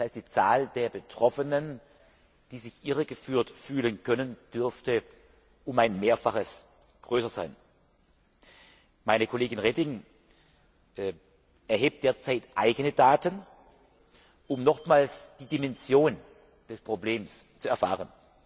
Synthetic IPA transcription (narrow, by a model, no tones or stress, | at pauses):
shaɪstd̥iːt͡saːld̥eːɐbətʁ̥ɔfənən | d̥iːzɪçʔɪʁəɡəfyːɐtfyːlənkʰœnənd̥ʏɐftə | ʔʊmaɪnmeːɐfaχəs | ɡ̥ʁøːsɐza̰ɪn | maɪnəkʰoleːɡɪnʁɛdɪŋ | ʔɛɐɦeːp̚d̥eːɐt͡saɪtʔaɪɡənədaːtən | ʔʊmnɔχmaːlsd̥iːdimɛnzjoːn | d̥ɛspʁ̥obleːmst͡suɛɐfa̰ːʁən